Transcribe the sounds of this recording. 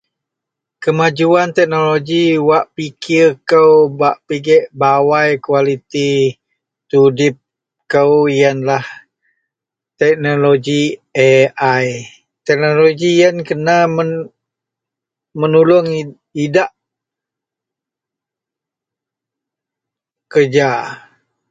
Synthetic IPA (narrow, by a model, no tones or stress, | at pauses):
kəmad͡ʒuant̪ɛk̚noloɡiwaʔpikʰɪrkəwbaʔpiɡɛʔbawajkualit̪i | t̪udɪp̚ | kəwjənlah | t̪ɛk̚noloɡieʔaj | t̪ɛk̚noloɡijənkənamə | mənulʊŋ | idaʔ | kərd͡ʒa